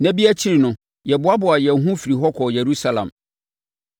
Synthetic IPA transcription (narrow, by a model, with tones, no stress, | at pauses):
næ̃˦bi˦æ˦t͡ɕʰi˦ɾi˨nʊ̃˨ | jɛ˨bʊ˦a˦bʊ˨a˨jɛ˨˦ɦũ˦fi˨ɾi˨ɦɔ˦kʰɔ˨jɛ˨ɾu˦sa˦lã̰˨m